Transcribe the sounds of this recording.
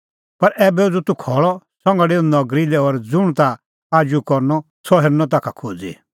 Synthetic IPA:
pɐɾʔɛːbɛd͡zut̪ukʰɔɭɔsɔ̃ŋɡɽenɔɡɾilɛɔɾd͡zʊɽ̃t̪a | aːd͡ʒukɔɾnɔ | sɔɦeɾnɔ̃t̪̬aːkʰakʰod͡zḭ

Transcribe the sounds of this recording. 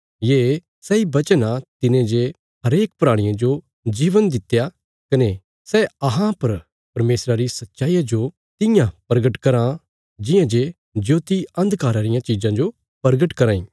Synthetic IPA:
jeː | sɛibɐt͡ʃənãt̪ɪnẽd͡ʒe | ɦɐɾeːk̚pɾaːɽ̃ɪ̃jãd͡ʒo | d͡ʒiːʋənd̪ɪt̪ːja | kɐne | sɛɐɦãpɐɾ | pɐɾmeːsɾaɾisɐtːʃaːijad͡ʒo | t̪ɪ̃jãpɾɐɡəʈkɐɾã | d͡ʒɪ̃jãd͡ʒe | d͡ʒoːt̪iɐ̃nd̪ʱkaːɾaɾɪjãt͡ʃiːd͡ʒãd͡ʒo | pɐɾɡəʈkɐɾãːĩː

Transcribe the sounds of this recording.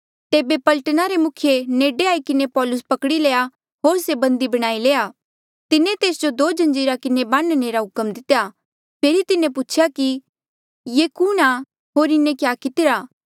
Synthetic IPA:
t̪eːbepɐlʈənaɾemʊkʰjeneːɖeaːikɪnepɔːlʊspɐkɽileːa | ɦoːɾsebɐ̃nd̪ibɐɽ̃aːileːa | t̪ɪnẽt̪eːsd͡ʒod̪oːd͡ʒɐ̃nd͡ʒiːɾakɪnebãːnneːɾaɦʊkəmd̪ɪt̪eja | pʰeːɾit̪ɪnẽpʊt͡ʃʰjaki | jeːkuːɽ̃a | ɦoːɾɪnẽkjaːkɪt̪ɪɾaː

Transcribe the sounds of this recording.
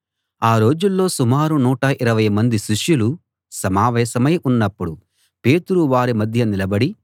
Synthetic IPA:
aːɾo̞ːd͡ʒulːo̞ːsumaːɾunuːʈɐʔiɾɐʋɐjmɐnd̪iʃiʂjulu | sɐmaːʋɛːsɐmɐjʔunːɐpːuɽu | pe̞ːt̪uɾuʋaːɾimɐd̪ʱjɐnilɐbɐɽi

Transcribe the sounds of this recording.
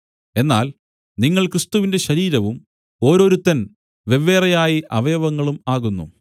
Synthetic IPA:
e̞nːaːl | niŋːɐɭkrɨst̪uʋinde̞ɕɐɾiːɾɐʋum | o̞ːɾo̞ːɾut̪ːɐn | ʋe̞ʋːeːrɐjaːjiʔɐʋɐjɐʋɐŋːɐɭumaːɣunːṵ

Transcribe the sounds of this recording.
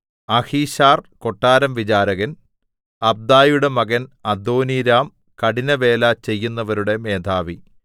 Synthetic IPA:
ɐhiːɕaːrko̞ʈːaːɾɐmʋit͡ɕaːɾɐɣɐn | ɐb̚d̪aːjuɽe̞mɐɣɐnɐd̪oːniɾaːm | kɐɽinɐʋe̞ːlat͡ɕe̞jːunːɐʋɐɾuɽe̞me̞ːd̪ʱaːʋi

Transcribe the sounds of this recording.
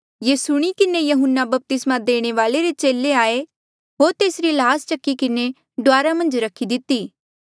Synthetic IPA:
jesʊɽ̃ikɪnejɐɦʊnːabɐp̚t̪ɪsmãd̪eːɽ̃eʋaːleɾet͡ʃeːleaːe | ɦoːɾt̪eːsɾilaːst͡ʃɐkːikɪne | ɖoʋaːɾamɐ̃nd͡ʒɾɐkʰid̪ɪt̪iː

